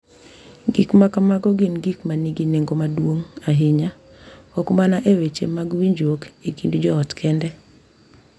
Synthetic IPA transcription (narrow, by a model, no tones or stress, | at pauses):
ɡikmakamaɡɔɡɪnɡikmaniɡineŋɡomadwoŋaɦɪɲa | ɔkmanaʔewet͡ʃḛmaɡwiɲd͡ʒokekindud͡ʒɔɔtkʰɛndɛ